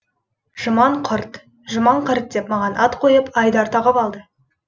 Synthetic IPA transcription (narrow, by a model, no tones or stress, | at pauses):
ʒ̥əmɑɴqʰəɾt̪ | ʒəmɑɴqʰəɾt̪̚d̪epmɑʁɑnʔɑt̪qʰo̞jəpɑjd̪ɑɾt̪ɑʁɑpɑlˠd̪ə